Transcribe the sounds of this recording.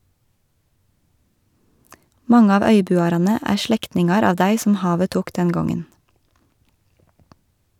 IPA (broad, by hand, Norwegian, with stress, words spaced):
ˈmɑŋə ˈɑːʋ ˈœʏˌbʉːɑɾɑnə ˈæː ˈʃɭɛktnɪŋɑɾ ˈɑːʋ ˈdæɪ sm̩ ˈhɑːʋə ˈtuːk ˈdɛn ˈɡɔŋən